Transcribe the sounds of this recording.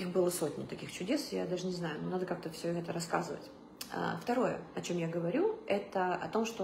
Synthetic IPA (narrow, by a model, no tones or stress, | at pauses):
ixbɨlˠəso̞tʲnʲɪt̪ɐkʲixt͡ɕʉdʲe̞sja̰d̪aʐɨnʲɪznajʊnunad̪əkak̚t̪əfʲsʲɵxɛt̪əɾɐska̰zɨvə̰tʲ | a̰ft̪ɐɾo̞jə̰ɐt͡ɕo̞mjaɡəvɐɾʲuɛt̪əɐ̰t̪o̞mʂt̪o